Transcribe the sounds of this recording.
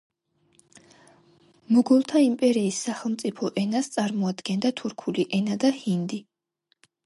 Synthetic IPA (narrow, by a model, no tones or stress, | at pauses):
mɔɡɔlˠt̪ʰaimpʼɛɾiːsːaχɛlˠmt̪sʼipʰɔʔɛnast̪sʼaɾmɔad̪ɡɛnd̪at̪ʰuɾkʰuliʔɛnad̪ahind̪i